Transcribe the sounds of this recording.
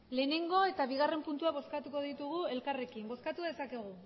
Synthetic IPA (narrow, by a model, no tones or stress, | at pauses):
le̞ːne̞ŋɡo̞e̞t̪aβiɣare̞mpunt̪uaβ̞o̞skat̪uko̞ðit̪uɣ̞ue̞lkare̞kimbo̞skat̪uðe̞sake̞ɣ̞u